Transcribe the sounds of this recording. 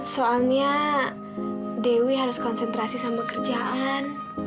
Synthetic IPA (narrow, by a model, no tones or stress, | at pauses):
soalɲa | dewiɦaɾʊskɔnsɛnt̪ɾasisambɛkərd͡ʒaʔaan